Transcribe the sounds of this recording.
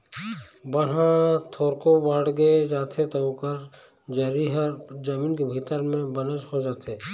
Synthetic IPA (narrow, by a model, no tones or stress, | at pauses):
bən̤ɦãt̪ʰoːɾkobəɽɡed͡ʒaːt̪ʰet̪oõkəɾ | d͡ʒɐɾiɦəɾd͡ʒəmiːnkebʱiːt̪əɾmẽbɐnəʃhod͡ʒaːt̪eː